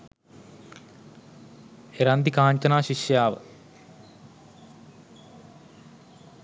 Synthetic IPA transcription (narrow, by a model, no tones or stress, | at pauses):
eɾɐnd̪ikaːɳt͡ʃɐnaːɕiʃjaːʋə̰